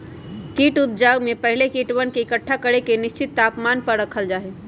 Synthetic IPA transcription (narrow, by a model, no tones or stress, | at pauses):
kiʈup̪̚d͡ʒaɡmepəɦilekiʈʋənkeikəʈʰːakəɽekeniʃt͡ʃit̪ːapmanpəɾɾəkʰəld͡ʒaːɦɛ